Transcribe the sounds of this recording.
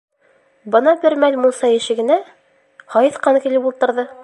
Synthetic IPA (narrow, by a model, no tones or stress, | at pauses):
bɤ̆nɑbɘɾmælʲmulˠsɑjɘ̆ʃɘ̆ɡɘ̆næ | hɑjɤθqɑnɤkilɘpulˠt̪ɤ̆ɾðɤ